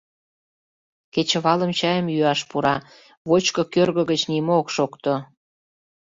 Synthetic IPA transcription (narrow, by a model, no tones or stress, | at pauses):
ket͡ɕə̆βɑlə̆mt͡ɕɑjəmjyɑʃpuɾɑ | βot͡ɕkokørɣə̆ɣət͡ɕnimookʃokt̪o